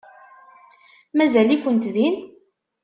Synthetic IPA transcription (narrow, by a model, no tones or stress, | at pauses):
mæzælikʷːənt̪ðin